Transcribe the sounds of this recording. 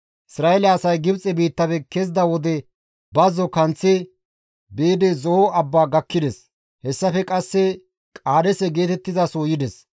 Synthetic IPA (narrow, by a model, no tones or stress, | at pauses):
ʔɪsɾaːɛlɐɐsɐjɡɪbt͡sʼɛbiːt̪ːɐbɛkezd̪ɐwɔd̪ɛ | bɐzɔkɐnt͡sːɛ | beːd̪ɛzɔoɐbːaːɡɐkːɪd̪ɛs | hɛsːɐfɛkʼɐsːɛ | kʼaːd̪ɛsɛɡe̞ːt̪ɛt̪ːɪzɐsoːjɪd̪ɛs